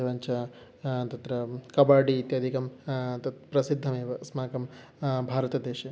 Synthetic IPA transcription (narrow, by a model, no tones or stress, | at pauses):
eʋɐːɲt͡ʃɐ | t̪ɐt̪ɾɐkɐbaːɖiːt̪jaːd̪ʱikɐmt̪ɐt̪pɾɐsid̪ʱːɐmeːʋɐsmaːkɐm | bʱaːɾɐt̪ɐd̪eːʃɐ